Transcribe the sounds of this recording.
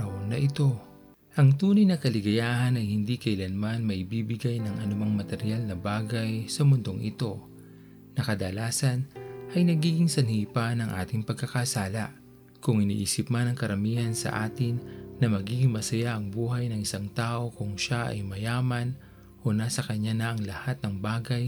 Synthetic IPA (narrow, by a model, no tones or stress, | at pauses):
wnɐʔɪt̪o̞ | ʔɐŋt̪uːnɐjnɐkɐlɪɡɐjaːhɐnɐjhɪnd̪ikɐʔɪlɐnmanmɐʔɪbiːbɪɡajnɐŋʔɐnʊmaŋmɐt̪ɛɾɪjalnɐbaːɡɐjsɐmʊnd̪o̞ŋʔɪ̰t̪o̞ | nɐkɐd̪ɐlaːsɐnʔɐjnɐɡiːɡɪŋsɐnhipanɐŋʔa̰ːt̪ɪŋpɐɡ̚kɐkɐsaːlɐ | kʊŋɪnḭːʔiːsɪpmanɐŋkɐɾɐmiːhɐnsɐ̰ʔaːt̪ɪŋnɐmɐɡiːɡɪŋmɐsɐjaʔɐŋbuːɦɐjnɐŋɪsaŋt̪aːʔo̞kʊŋʃaʔɐ̰jmɐjaːmɐn | ʔo̞nasɐkɐɲanɐʔɐŋlɐhat̪̚nɐŋbaːɡɐj